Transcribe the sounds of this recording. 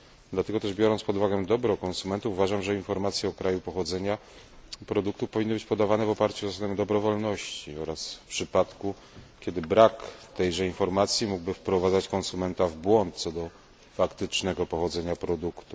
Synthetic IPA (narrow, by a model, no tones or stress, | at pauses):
d̪lat̪ɛɡɔt̪ɛʐbʲjɔɾɔnt̪spɔd̪uvaɡɛd̪ɔbɾɔkɔnsumɛnt̪ufuvaʐamʐɛinfɔɾmat̪sʲjɛɔkɾajupɔxɔd̪zɛɲa | pɾɔd̪uk̚t̪ufpɔvʲinːɘbɘt͡ɕpɔd̪avanɛvɔpaɾt͡ɕuzasad̪ɛmd̪ɔbɾɔvɔlnɔɕt͡ɕiɔɾasfpʂɘpat̪ku | kʲjɛd̪ɘbɾakt̪ɛjʐɛinfɔɾmat̪sʲjimuɡbɘfpɾɔvad̪zat͡ɕkɔnsumɛnt̪avbwɔnt̪̚t̪sɔd̪ɔ | fakt̪ɘt͡ʂnɛɡɔpɔxɔd̪zɛɲapɾɔd̪ukt̪u